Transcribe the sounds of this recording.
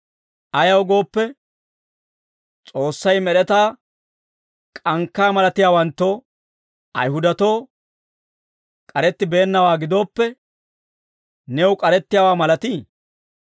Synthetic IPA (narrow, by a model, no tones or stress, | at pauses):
ʔɐjɐwɡo̞ːpːɛ | t͡sʼo̞ːsːɐjmɛɗɛt̪aː | kʼɐŋkːaːmɐlɐt̪ɪjaːwɐnt̪ːoː | ʔɐ̰jɦʊd̪ɐt̪o̞ː | kʼɐɾɛt̪ːɪbe̞ːnːɐwaːɡɪd̪o̞ːpːɛ | nɛʊkʼɐɾɛt̪ːɪjaːwaːmɐlɐt̪iː